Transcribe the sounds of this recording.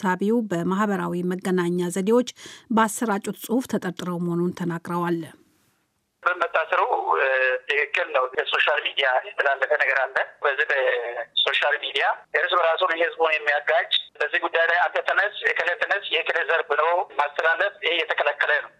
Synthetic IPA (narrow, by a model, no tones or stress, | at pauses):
saβiubəmahbəɾawiməɡːənaɲːazəd̪ewo̞t͡ʃːbəasːəɾat͡ʃʼut̪sʼɨhuft̪ʰət̪ʼəɾt̪ʼɨɾəwməho̞nunt̪ʰənaɡʼɾəwal | bəmət̪ʰːasəɾəwt̪ʰɨkɨkːɨlnəwzləso̞ʃalmid̪ijajɛt̪ʰːəlalːəfənəɡəɾalːənbəzːihbəso̞ʃalmid̪ijaɪɾsbəɾasunhɨzbunjɛmːijaɡat͡ʃʼːbəzːihɡud̪ːajlajat̪ʰːət̪ʰənəsjɛkʰɨlət̪ʰːənəsjɛhkʰɨləzəɾbɨnowmast̪ʰəlalːəfɪhejɛt̪ʰəkʰələkːələnəw